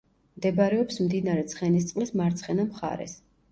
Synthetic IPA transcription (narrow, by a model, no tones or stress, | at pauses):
md̪ɛbaɾɛɔpsmd̪inaɾɛt̪sʰχɛnist̪sʼqʼlismaɾt̪sʰχɛnamχa̰ɾɛ̰s